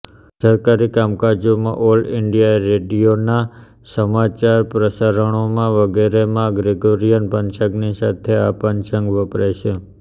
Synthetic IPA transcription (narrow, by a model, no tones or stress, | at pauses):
səɾkaɾikamkad͡ʒomã̰ʔolɖɪɳɖijaeɾeɖijona | səmat͡ʃaɾpɾəsaɾəɳ̃omãʋəɡeɾemãɡɾeɡoɾijənpənt͡ʃəɡnisat̪ʰeapənt͡ʃəŋɡʋəpɾajʃʰe